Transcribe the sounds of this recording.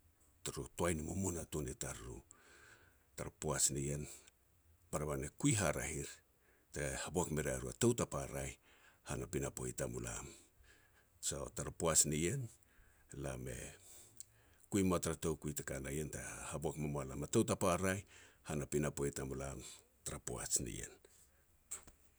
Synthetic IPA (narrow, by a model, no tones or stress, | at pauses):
taɾotoajnimumunatunetaɾṵ | taɾupoasnije̞n | paɾaβanekujɦaɾa̰hiɾ | tahaboakme̞ɾeaɾua̰towtapaɾaj | hanapinapo̞̰jtamula̰m | so̰taɾapoasnije̞n | la̰me̞̰ | kujmoataɾatowkujtakanajentahaboakmamoalamatowtapaɾajhanapinapo̞jtamulam | taɾapoa̰t͡ʃnḭje̞̰n